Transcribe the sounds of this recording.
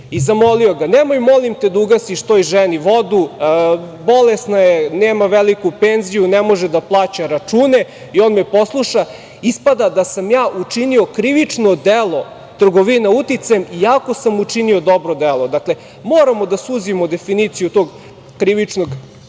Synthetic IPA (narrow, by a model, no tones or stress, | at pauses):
izamo̞lioɡanemojmolimt̪e̞d̪uɡasiʃt̪oiʒeniʋo̞d̪u | bo̞lesnajeneːmaʋelikupenzijunemo̞ʒed̪aplˠaːt͡ɕaɾat͡ʂuːne̞ | io̞ːnmepo̞slˠuʃa | ispad̪ad̪asamjaːʔut͡ʂinio̞kɾiʋit͡ʂnod̪elˠo̞ | t̪r̩ɡoʋinaut̪it̪sajemijaːkosamut͡ʂinio̞d̪o̞bɾod̪elˠod̪akle | moːɾamod̪asuzimod̪e̞finit̪sijut̪oːɡ | kɾiʋit͡ʂnoɡ